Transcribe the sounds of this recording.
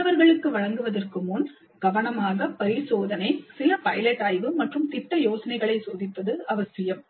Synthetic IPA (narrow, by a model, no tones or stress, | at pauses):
ɐʋɐɾɣɐɭɯkːɯʋɐɻɐŋɡɯʋɐðɐrkɯmʊn | ɡ̥ɐʋɐnɐmaːɣɐpɐɪɾsoːðɐnɐɪsɪlɐpɐjlɛʈːaːjʋɯmɐʈrɯmt̪ɪʈːɐjoːsɐnɐɪɣɐɭɐɪsoːðɪt̪ːɐðɯɐʋɐsɪjɐm